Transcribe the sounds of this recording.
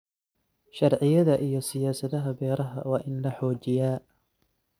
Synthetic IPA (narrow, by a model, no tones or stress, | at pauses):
ʃɑrʕɪjɐðɐʔijɔsɪjaːsɐðɐɦɐbɛːɾɐɦɐ̰wɑːʔɪnlɐħɔːt͡ʃɪjaː